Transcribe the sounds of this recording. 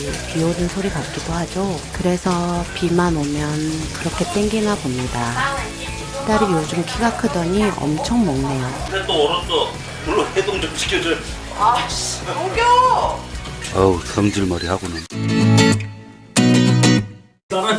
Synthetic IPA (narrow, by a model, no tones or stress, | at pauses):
piodɯnsʰoɾipat̚k͈idohad͡ʑokɯɾe̞sʰʌpimanomjʌnkɯɾʌkʰe̞t͈we̞ŋɡinɦabomɲida | t͈aɾɯjod͡ʑumkʰiɡakʰɯdʌɲiʌ̰mt͡ɕʰʌŋmʌŋne̞jodet͈oːɾʌndʌ | puɭːohedoŋd͡ʑomɕʰi̥kʰjʌd͡ʑo | a | ɡʌ | awsʰʌŋd͡ʑiɭmaɾihaɡonɯn